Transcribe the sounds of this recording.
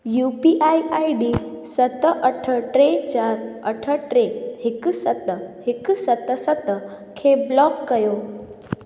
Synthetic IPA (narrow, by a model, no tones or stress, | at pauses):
juːpiʔaiaiɖisət̪ʔəʈʰəʈɾet͡ɕaːɾəʈʰəʈɾehɪksət̪əhɪksət̪əsət̪ | kʰeblɔkːəjoː